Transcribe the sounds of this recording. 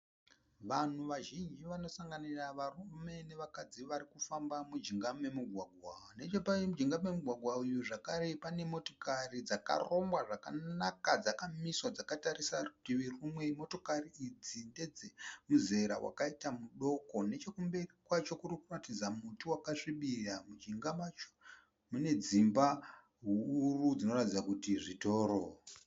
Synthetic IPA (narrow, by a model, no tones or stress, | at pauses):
ʋan̤uʋaʒind͡ʒiʋano̞saŋɡaniraʋarume̞ne̞ʋakad͡ziʋaɾikufambamud͡ʒiŋɡame̞muɡʱwaɡʱwane̞t͡ʃopamud͡ʒiŋɡame̞muɡʱwaɡʱwaujuʐakaɾe̞pane̞mo̞to̞karid͡zaka̰ro̞mbwaʐaka̰nakad͡zakamiswad͡zakataɾisatiʋirumwe̞mo̞to̞kariid͡zinded͡zemuze̞ɾa̰wa̰kaitamuɗo̞ko̞ne̞t͡ʃe̞kumbe̞rikwat͡ʃo̞kurikuratid͡zamutuwakaʂiɓiramud͡ʒiŋɡamat͡ʃo̥ | mune̞d͡zimba | ɦuːrud͡zino̞ratid͡zakutiʐito̞ːɾo